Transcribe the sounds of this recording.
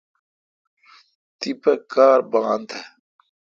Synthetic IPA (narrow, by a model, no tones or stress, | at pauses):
t̪ipɐkaːɾbãːnt̪ʰe